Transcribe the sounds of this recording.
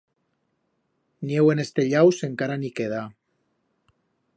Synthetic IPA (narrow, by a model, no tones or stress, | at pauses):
niewenest̪eʎawse̞ŋkaɾanikeð̞a